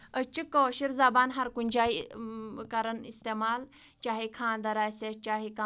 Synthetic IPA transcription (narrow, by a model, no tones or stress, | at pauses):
ət͡ʃikːoʃiɾzaːbaːnɦɐɾkunʲd͡ʒaːi | kɐɾənist̪eːmaːl | t͡ʃaːɦikʰãːnd̪ɐɾaːjseːt͡ʃaːɦika